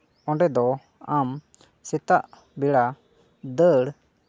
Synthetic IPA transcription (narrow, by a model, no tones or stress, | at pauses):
ɔ̃ɳɖɛd̪ɔ | am | sɛt̪aʔ | biɽa | d̪əɽ